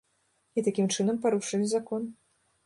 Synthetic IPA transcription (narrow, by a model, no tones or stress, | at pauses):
it̪akʲimt͡ʂɨnɐmpaɾuʂɨnʲizakɔn